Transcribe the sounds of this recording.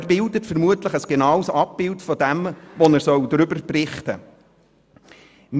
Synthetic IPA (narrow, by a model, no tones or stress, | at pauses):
æɾbɪldətfəɾmuətləχəsɡ̥enɑwsɑp̚ːɪltfɔdɛmʋɔnæɾsœwd̪ɾʏbəɾpɾɪχtə | m